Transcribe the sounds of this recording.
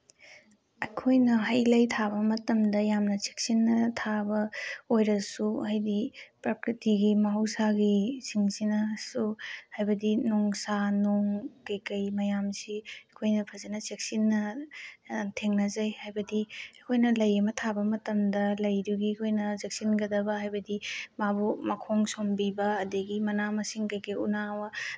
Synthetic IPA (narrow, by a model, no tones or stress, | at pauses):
ɐkʰojnɐɦɐjlɐjtʰabɐmɐtɐmdɐjamnɐt͡ʃek̚sinːɐtʰabɐojɾɐsuhɐjdipɾakɾitiɡimɐɦɐwsaɡisiŋsinɐsuhajbɐdinoŋsanoŋkɐjkɐjmɐjamsiɐkʰojnɐpʰɐzenɐzek̚sinːɐ | tʰeŋnɐzajhajbɐdiɐkʰojnɐlɐjɐmɐtʰabɐmɐtɐmdɐlɐjduɡiɐkʰojnɐzek̚sinɡɐdɐbɐɦajbɐdimabumɐkʰoŋsombibɐːdeɡimɐnamɐsiŋkɐjkɐjṵnawɐ